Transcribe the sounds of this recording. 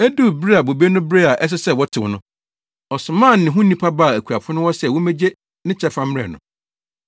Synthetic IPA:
æ˦du˦˨bɾi˦a˨bo˨be˦nʊ̃˦bɾe˦a˨ʔɛ˦s̬ɪ˦sɛ˦˨wɔ˦tʰɪ˨ʊ˨nʊ̃˦ | ɔ˨sʊ˨mãː˦˨˦nɪ̃˨ɦʊ̃˦nĩ˦pʰa˦ba˦˨æ˨kʰu˨a˨pʰʊ˦nʊ̃˦wɔ˦sɛ˨wɔ˦me˦d͡ʑe˦ | nɪ̃˦t͡ɕʰɛ˦fã˦mɾɛ̰˨nʊ̰̃˨

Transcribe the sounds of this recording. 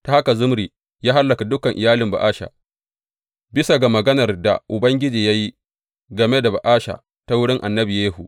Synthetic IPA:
ta˨ha˦ka˨zʊ˦mɾiː˨ | jaː˦ɦa˦lːɐ˨ka˨dʊ˦kɐ˨ŋʔɪ˨jaː˦lɪ˨mba̰˨ʔaː˦ʃa̰˨ | bɪ˦sa˨ɡa˨mɐ˨ɡɐ˦nɐ˨rda̰˨ʔʊ˨bɐ˦ŋɡʲɪ˦d͡ʒiː˨ja˦ji˦ | ɡɐ˨me˦da˨ba̰˨ʔaː˦ʃa̰˨ | ta˦wʊ˦ɽɪ˦ŋʔa˨nːɐ˦bi˨jeː˦hu˨

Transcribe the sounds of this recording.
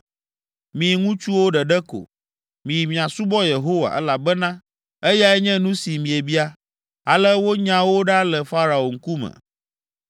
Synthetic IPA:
mĩ˨ŋũ˦t͡ʃu˦wo˦ɖɛ˨ɖɛ˦ko̰˨ | mĩ˨ji˨mĩ˨ã˨su˦bɔ˦je˨ɦo˦wa̰˨ʔɛ˦la˨bɛ˦nã˦ | ɛ˦ja˦ɛ˦ɲɛ̃˦nũ˦si˨mĩ˨e˨bi˦a˦ | a˨lɛ˦wo˦ɲã˨wo˦ɖa˦lɛ˨fa˦ɾa˨o˨ŋ̩˦ku˦mɛ̰̃˨

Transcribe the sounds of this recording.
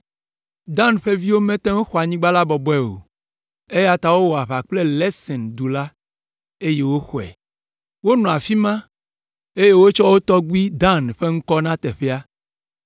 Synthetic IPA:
d̪ã˦nɸe˦vi˦wo˦mẽ˦t̪ẽ˦ŋo˦xɔ˨a˨ɲĩ˦ɡ͡ba˦la˦bɔ˨bɔ˦ɛ˦wo̰˨ | e˦ja˦t̪a˨wo˦wɔ˨a˨ɸa˨k͡ple˦lɛ˦sɛ̃˨nd̪u˨la˦ | e˦je˦wo˦xɔ˨ɛ̰˨ | wo˦nɔ̃˨a˨fi˦mã˦ | e˦je˦wo˦t͡ʃɔ˦wo˦t̪ɔ˦ɡu˦i˦d̪ã˦nɸe˦ŋ̩˦kɔ˦nã˦t̪ɛ˨ɸe˦a˦

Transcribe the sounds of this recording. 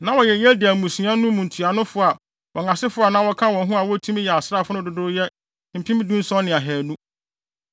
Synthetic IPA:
nã˦wɔ˨jɛ˨jɛ˦di˨æ˨mũ˨sũ˨˦ã˦nũ˦mũ˨n̩˨tʰu˨a˨nʊ̃˦fʊ˦a˨ | wɔ˨ŋã˨sɪ˦fʊ˦a˨nã˦wɔ˦kʰã˦wɔ̃˨nɦũ˦a˨wɔ˦tʰũ˦m˦jɛ˨a˨sɾa˦˨fʊ˦nʊ̃˦dʊ˦dʊ˦ɾjɛ˦˨ | m̩˨pʰĩ˦m˦dũ˦n˦sɔ̃˦nɪ̃˨a˨ɦɛː˨nũ˦

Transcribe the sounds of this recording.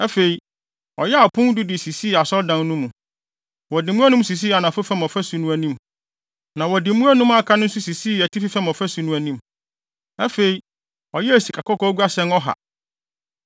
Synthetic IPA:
ɛ˦fe˨i˨ | ɔ˨jɛ˦a˨pʰʊ̃˦n˦dʊ˦dɪ˨si˨si˦˨a˨sɔ˦ldã˨nnũ˦mũ˨ | wɔ˨dɪ˨mũ˦æ˦nũ˦m˦s̬i˨s̬i˦a˨nã˨fʊ˦fɛ˦mɔ˨fæ˦su˨nũ˦æ˨nĩ˦m | nã˨wɔ˨dɪ˨mũ˦æ˦nũ˦ma˨kʰã˦nʊ̃˦n̩˦su˦si˨si˦˨ɛ˨tʰi˦fi˦fɛ˦mɔ˨fæ˦su˨˦nũ˦æ˨nĩ˦m | ɛ˦fe˨i˨ | ɔ˨jɛ˦e˨si˨kʰa˨kʰɔ˦kɔ˦ɡʷu˦a˦sɛ̃˦nɔ˦ɦa̰˨

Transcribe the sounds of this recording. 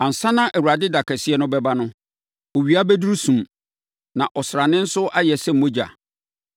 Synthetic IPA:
ã˨n̩˨sã˦nã˦ʔæ˨wu˨a˨dɪ˦da˨kʰɛ˨sɪ˦ɛ˦nʊ̃˦bɛ˦ba˦nʊ̃˦ | o˨ɥi˨a˦bɛ˦du˦ɾu˦sũ˨m | nã˨ʔɔ˨sɾa˨nɪ̃˦n̩˦sʊ˦ʔa˦jɛ˨sɛ̃˦m̩˨mõ˦d͡ʑa̰˨

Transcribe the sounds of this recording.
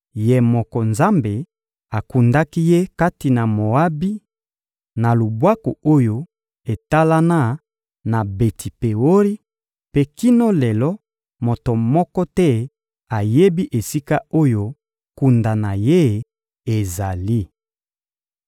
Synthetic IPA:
je˨mɔ˨kɔ˨nza˦mbe˨ | a˨ku˨nda˦ki˦je˦ka˦ti˨na˨mo˨a˦bi˦ | na˨lu˨bwa˦ko˨o˦jo˦ | e˨ta˦la˦na˦ | na˨be˨tʰi˨pe˨wo˦ʁi˦ | pe˦ki˦no˦lɛ˨lɔ˦ | mo˨to˨mɔ˦kɔ˦tɛ˦ | a˨je˦bi˦ʔe˨si˦ka˦o˦jo˦ | ku˨nda˨na˨je˦ | e˨za˨li˦

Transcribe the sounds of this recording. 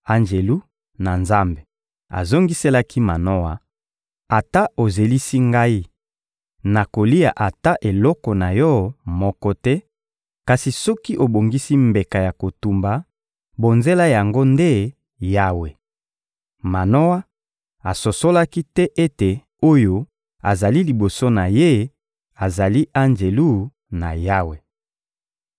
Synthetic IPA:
a˨nd͡ʒe˨lu˦ | na˨nza˦mbe˨ | a̰˨zo˦ŋɡi˦se˦la˦ki˦ma˨no˦wa˦ | a˨ta˦o˨ze˨li˦si˦ŋɡa˦i˦ | na˨ko˨li˦ja˨ʔa˨ta˦ʔe˨lɔ˦kɔ˨na˨jɔ˦mɔ˦kɔ˦tɛ˦ | ka˨si˨sɔ˦ki˦ʔo˨bo˨ŋɡi˦si˦mbe˨ka˨ja˨ko˨tu˨mba˨ | bo˨nze˦la˦ja˨ŋɡo˦nde˦ | ja˦we˨ | ma˨no˦wa˦ | a˨so˨so˦la˦ki˦tɛ˦ʔe˦te˨ | o˦jo˦ | a˨za˨li˦li˨bo˨so˦na˨je˦ | a˨za˨li˦ʔa˦nd͡ʒe˨lu˦ | na̰˨ja˦we˨

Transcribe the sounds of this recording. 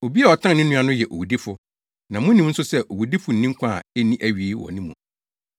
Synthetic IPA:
o˨bi˦a˨ɔ˨tʰã˦n˨nɪ̃˦nːũ˦a˦nʊ̃˦jɛ˨ʔo̰˨wu˨di˦fʊ˨ | nã˨mʊ̃˦nːĩ˦m˦n̩˦sʊ˦sɛ˦ʔo˨wu˨di˦fʊ˨n̩˦nĩ˦ŋ˦kʰʷa˦˨e˦nĩ˦ʔæ˨ɥi˨˦wɔ̰˨nĩ˦mṵ̃˨

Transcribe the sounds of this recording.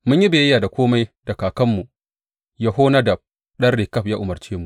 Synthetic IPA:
mʊ˦ɲji˦be˨jjaː˨da˨kʷoː˦ma˦jdɐ˨kaː˨kɐ˦mːu˨ | jaː˦ɦoː˦na˦dɐ˨b̚ | ɗɐ˦rːe˨kɐ˦ɸjaː˦ʔʊ˨mɐ˨rt͡ʃeː˦mu˨

